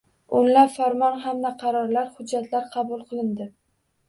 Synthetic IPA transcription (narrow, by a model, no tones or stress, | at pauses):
ʊnlapfaɾmɒnɦamd̪aqʰɑɾɒɾlaɾhʊd͡ʒːat̪ʰlaɾqʰɑbʊlˠqʰɨlˠɪnd̪ɪ